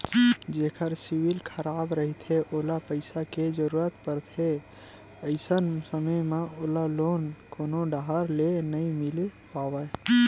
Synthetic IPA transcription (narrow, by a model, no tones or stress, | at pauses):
d͡ʒeːkʰəɾsiwilkʰəɾaːbɾəɦit̪ʰeʔoːlapəɪsaked͡ʒəɾuːɾət̪pəɾt̪ʰe | əɪsənsəməjmeoːlaloːnkoːnoɖaɦəɾlenəĩmilepaːwə